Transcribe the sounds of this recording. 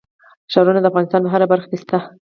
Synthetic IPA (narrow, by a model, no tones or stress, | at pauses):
ʃɑɾunad̪əafɣɑnɪst̪ɑnbaɦaɾabaɾxḁkest̪a